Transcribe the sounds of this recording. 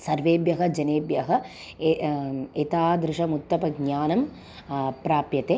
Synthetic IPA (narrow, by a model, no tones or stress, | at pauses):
sɐɾʋeːbjɐɦɐ̆d͡ʒɐneːbjɐɦɐ | et̪aːd̪ɾɪʃɐmut̪ːɐpɐɡɲaːnɐm | pɾaːpjɐt̪eː